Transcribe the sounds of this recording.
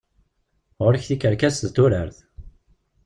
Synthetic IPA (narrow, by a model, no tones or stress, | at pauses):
ʁʊɾəçθikːəɾkæsðt̪ːʊɾəɾθ